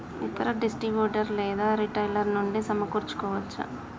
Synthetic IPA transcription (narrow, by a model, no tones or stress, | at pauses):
it̪ːɐɾɐɖisʈɾibjuːʈɐɾlɛːd̪aːɾiʈɐjlɐɾnuɳɖisɐmɐkuːɾt͡ʃːu̥kɔːʋɐt͡ʃːṵ